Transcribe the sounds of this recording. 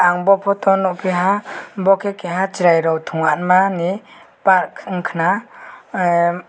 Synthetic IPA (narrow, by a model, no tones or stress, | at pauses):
aŋbɔpʰɔt̪ɔnɔpʰiɦabɔkʰekeɦat͡ʃiɾajɾɔwtʰuŋanmani | paɾkʰŋkʰna